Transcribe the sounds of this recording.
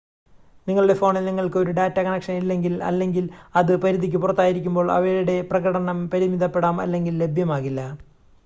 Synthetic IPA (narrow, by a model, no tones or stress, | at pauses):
niŋːɐɭuɽe̞fo̞ːɳilniŋːɐɭkɨoɾuɖaːtːɐkɐnɐkʂɐnilːe̞ŋɡilɐ̰lːe̞ŋɡilɐðɨpɐɾuðikʲːɨpurɐt̪ːaːjiɾikʲːumbo̞ːɭɐ̰ʋɐɾuɽe̞prɐɣɐɽɐɳɐmpɐɾimiðɐpːe̞ɽaːmɐ̰lːe̞ŋɡilːe̞bʱjɐmaːɣilːɐ